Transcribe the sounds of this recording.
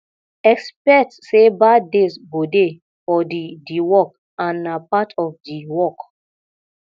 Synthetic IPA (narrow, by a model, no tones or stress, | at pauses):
ɛkspɛk̚tsebadesbode | fɔdidiwɔk̚ | ãnapatɔfdiwɔk